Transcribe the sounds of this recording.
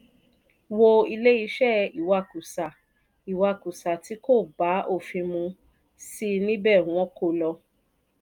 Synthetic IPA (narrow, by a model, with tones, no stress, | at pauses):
wo˧i˧le˦i˧ʃɛ˦˨i˨wa˧˨ku˨sa˨ | i˨wa˧˨ku˨sa˨ti˨˦ko˦˨ba˨˦ʔo˦˨fĩ˧mũ˧ | si˦nĩ˦bɛ˦˨w̃ɔ̃˦ko˦˨lɔ˧